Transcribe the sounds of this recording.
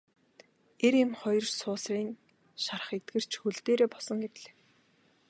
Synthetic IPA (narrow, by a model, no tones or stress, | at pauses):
eɾemχɔjɞ̆rsʊːsriːŋ | ʃarə̆χet̪̚ɡɘ̆r̥t͡ɕʰxɵɮt̪eːɾeːpɔsɞ̆ŋɡet̪̆ɮe̥ː